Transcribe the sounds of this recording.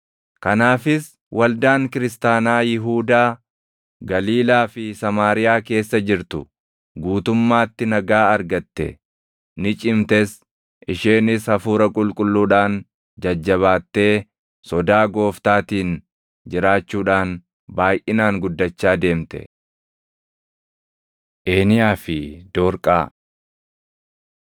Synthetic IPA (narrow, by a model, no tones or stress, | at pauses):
kɐnaːfɪs | wʔɐld̪aːŋkɪɾɪs̬t̪aːnaːjɪɦuːd̪aː | ɡɐliːlaːfɪsɐmaːɾɪjaːke̞ːsːɐd͡ʒɪɾt̪ʊ | ɡuːt̪ʊmːaːt̪ːɪnɐɡaːɐɾɡɐt̪ːɛ̰ | nɪt͡ʃʼɪmt̪ɛs | ʔɪʃeːnɪshɐfuːɾɐkʼʊlkʼʊlːuːᶑaːn | d͡ʒɐd͡ʒːɐβaːt̪ːe̞ː | sɔd̪aːɡo̞ːft̪aːt̪iːn | d͡ʒɪɾaːt͡ʃːuːᶑaːn | baːjʔɪnaːŋɡʊd̪ːɐt͡ʃːaːd̪e̞ːmt̪ɛ̰ | ʔe̞ːnɪjaːfɪd̪̥oːɾkʼa̰ː